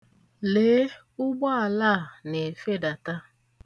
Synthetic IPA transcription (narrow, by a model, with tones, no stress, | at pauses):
leː˨˦ | ʊ˦ɡ͡bɔ˦a˨la˦˨ne˨fe˦da˨ta˦